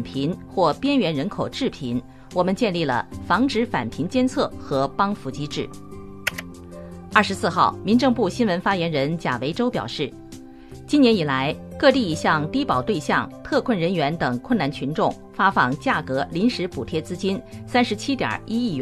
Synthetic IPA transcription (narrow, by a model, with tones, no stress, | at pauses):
npʰi˧˥ŋxwɔ˥˩pjɛ˥nɥɛ˧˥nɻə˧˥nkʰo˨˩ʊʈ͡ʂɻ̩˥˩pʰi˧˥n | wɔ˨˩mə˧˦nt͡ɕjɛ˥˧nli˥˩lə̰˩fɑ˧˥ŋʈ͡ʂɻ̩˧˥fa̰˨˩npʰi˧˥ŋt͡ɕjɛ˥nt͡sʰɤ˥˩xɤ˧˥pɑ˥ŋfu˧˥t͡ɕi˥ʈ͡ʂɻ̩˥˩ | ɐ˞˥˩ʂɻ̩˧˥sɹ̩˥˧xɑ˥˩ʊmi˧˥nʈ͡ʂɤ˥˧ŋpu˥˩ɕi˥nwə˧˥nfa˥jɛ˧˥nɻə˧˥nt͡ɕja̰˨˩we˧˥ɪʈ͡ʂo˥ʊpjɑ̰˨˩ʊʂɻ̩˥˩ | t͡ɕi˥njɛ˧˥ni˨˩la˧˥ɪkɤ˥˧t̪i˥˩i˨˩ɕjɑ˥˧ŋt̪i˥pɑ˨˩ʊt̪we˥˧ɪɕjɑ˥˩ŋt̪ʰɤ˥˧kʰwə˥˩nɻə˧˥nɥɛ˧˥nt̪ɤ˨˩ŋkʰwə˥˩na˥˩nt͡ɕʰy˧˥nʈ͡ʂʊ˥˩ŋ | fa˥fɑ˨˩ŋt͡ɕja˥˩kɤ˧˥li˧˥nʂɻ̩˧˥pu˨˩t̪ʰjɛ˥t͡sɹ̩˥t͡ɕi˥nsa˥nʂɻ̩˧˥t͡ɕʰi˥t̪jɑ̰˨˩i˥i˥˩˥